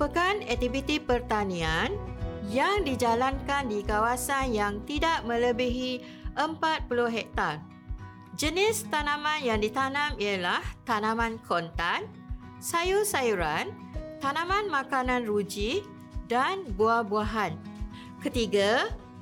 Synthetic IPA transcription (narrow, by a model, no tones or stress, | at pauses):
pəkanɛk̚t̪ivit̪ipərt̪anĩanjaŋdid͡ʒalankandikawasanjaŋt̪idaʔmə̃ləbiɦi | ʔəmpat̪̚puluɦɛk̚t̪ar | d͡ʒənɪst̪anãmãnjaŋdit̪anãmialaht̪anãmãnkʰont̪an | sajusajuɾan | t̪anãmãnmãkanãnrud͡ʒi | danbuabuaɦan | kət̪iɡa